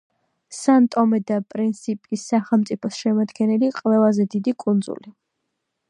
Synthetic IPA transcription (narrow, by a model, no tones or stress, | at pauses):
sant̪ʼɔmɛd̪apʼɾint̪sʰipʼisːaχɛlˠmt̪sʼipʰɔsʃɛmad̪ɡɛnɛliqʼvɛlazɛd̪id̪ikʼund̪zṵli